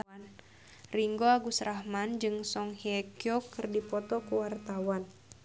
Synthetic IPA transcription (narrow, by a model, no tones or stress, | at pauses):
n | riŋɡoaɡusɾahmand͡ʒɨŋsɔŋhiɛkjokɨrdipɔt̪ɔkuwart̪awan